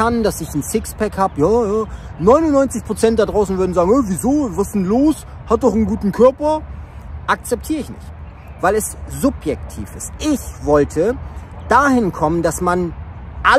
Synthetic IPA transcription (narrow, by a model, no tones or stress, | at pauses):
andasɪçn̩sɪkspʰɛkhaːbəjaːjaː | nɔʏnʊnːɔʏnt͡sɪçpʁ̥ot͡sɛntd̥aɐdʁaʊsn̩vʏɐdn̩zaːɡŋ̩ɛːviːzoːvasn̩loːs | hat̚d̥ɔχn̩ɡuːtn̩kʰœɐpɐ | ʔak̚t͡sɛp̚tʰiːʁɪçnɪ̰çt | vaɪlɛszʊpjɛktʰḭːfɪstʔɪçvɔltʰəd̥aːhɪnkʰɔməndasmanʔa